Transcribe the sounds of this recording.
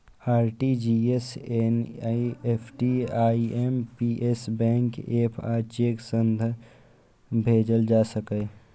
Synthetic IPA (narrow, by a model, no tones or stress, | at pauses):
aːɾʈid͡ʒieseniepʰʈiaːiempiʔesbɛ̃ːŋkepʰaːt͡ʃeːksə̃nd̪ʱə | bʱeːd͡ʒəld͡ʒaːsəkəː